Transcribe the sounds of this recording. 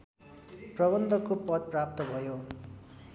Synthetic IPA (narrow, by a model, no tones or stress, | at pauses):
prʌbʌnd̪ʱʌkopʌd̪̚prap̚t̪ʌbʱʌjo